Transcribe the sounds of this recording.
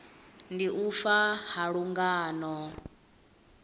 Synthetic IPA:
ndiʔufahaɺuŋɡaːnɔ

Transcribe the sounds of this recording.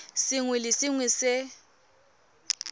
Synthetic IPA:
sɪŋwɛlɪsɪŋwɛsɪ

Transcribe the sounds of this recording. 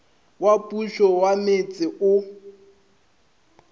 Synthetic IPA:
wapʼuʃɔwamet͡sʼɪʔʊ

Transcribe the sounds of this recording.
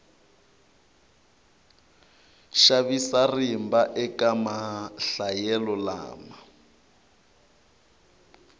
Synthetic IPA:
ʃaβisarimbaʔɛkʼamaɬajɛlɔla̰ːma

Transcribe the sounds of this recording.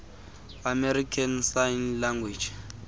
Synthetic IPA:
amɛɾikʰansajnlaŋɡwi̥d͡ʒ

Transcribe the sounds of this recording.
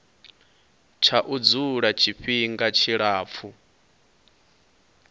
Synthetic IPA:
t͡ʃʰaʔud͡zuɺat͡ʃʰiɸiŋɡat͡ʃʰiɺaːp̪fʰu

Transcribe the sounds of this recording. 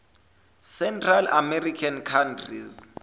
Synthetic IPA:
sɛntʰrala̰mɛrikʰankʰantʰrḭz

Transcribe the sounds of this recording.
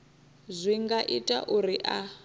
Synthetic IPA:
zʷiŋɡaʔitʼa̰ʔuɾiʔa

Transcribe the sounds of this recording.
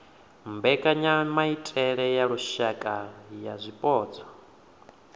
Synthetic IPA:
mbɛkʼaɲamaitʼɛɺɛjaɺuʃakʼajazʷipʼɔːd͡zɔ

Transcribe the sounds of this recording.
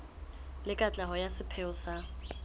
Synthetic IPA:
lɪkʼat͡ɬʼaɦɔjasɪpʰɛʊsa

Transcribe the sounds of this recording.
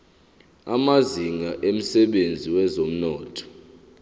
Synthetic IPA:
amaziŋaʔem̩sɛɓend͡zʱiwɛzom̩nɔːtʰʼɔ̥

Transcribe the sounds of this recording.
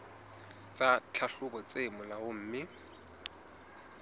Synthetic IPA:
t͡sʼat͡ɬʰaɬʊbɔt͡semʊlaʊm̩ːmɪ

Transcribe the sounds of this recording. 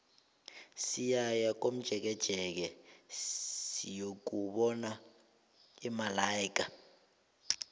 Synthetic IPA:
sijajak̬om̩d̥ʒ̥ʱɛk̬ɛd̥ʒ̥ʱɛk̬ɛ | sijok̬uɓɔna | imalaik̬ʼa

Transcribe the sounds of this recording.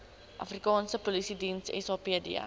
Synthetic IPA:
ʔɐfrikɑːnsəpolisidinsɛ̰sɑːpiədiə̰

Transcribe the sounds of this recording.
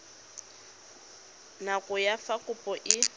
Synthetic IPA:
nakʼʊjafakʼʊpʼɔʔɪ

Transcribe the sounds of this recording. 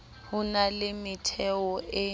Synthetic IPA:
hʊnalɪmɪtʰɛɔʔɪ

